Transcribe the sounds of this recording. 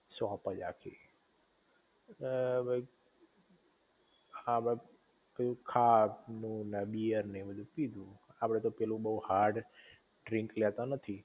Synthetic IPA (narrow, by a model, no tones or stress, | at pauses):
sapəd͡ʒa̰kʰḭ | bʱəi | ap | kəũkʰatnũnəbijəɾnəĩbəd̪ʱũpid̪ʱũapɽ̃et̪opɛlũbəuhaɾʈ | ɖɾĩŋklɛt̪anət̪ʰi